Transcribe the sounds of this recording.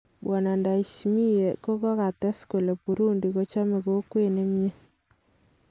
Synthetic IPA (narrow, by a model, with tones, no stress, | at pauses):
bɔ˨na˨nda˨i˨si˨mi˦je˨ko˦kɔ˦ka˨tɛ˦sku˨le˨pu˨ɾu˦ndi˨ko˦t͡ʃa˦me˨ko˦kwe˦ne˦mje˦